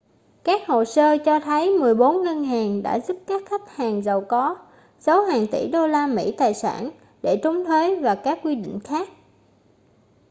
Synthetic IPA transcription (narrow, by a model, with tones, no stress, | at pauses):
kaː˦˥k̚ho̰˧˨səː˧t͡ɕɔ˧t̪ʰə˨˦jmɨ˨˩əjɓo˨˦nŋə˧nɦaː˨˩ŋɗa̰ː˧˥zu˦˥p̚kaː˦˥k̚xa˦˥p̚haː˨˩ŋzə˨˩wkɔ˨˦ | sa˨˦whaː˨˩ŋt̪ḭ˧˩ɗo˧laː˧mḭ˧˥t̪aː˨˩jsa̰ː˧˩n | ɗe˧˩t͡ɕʊ˨˦ŋ͡mt̪ʰwe˨˦jvaː˨˩kaː˦˥k̚ːwi˧ɗḭ˧˨ŋ̟xaː˦˥k̚